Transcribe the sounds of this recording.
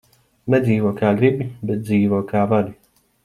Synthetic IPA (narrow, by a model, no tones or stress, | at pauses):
nɛziːvuɔkaːɡɾibʲibɛt̪̚d̪ziːvɔkaːvad̪i